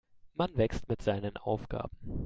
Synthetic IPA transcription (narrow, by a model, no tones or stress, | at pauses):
manvɛkstmɪtz̥aɪnənʔa̰ʊfɡ̥a̰ːb̥m̩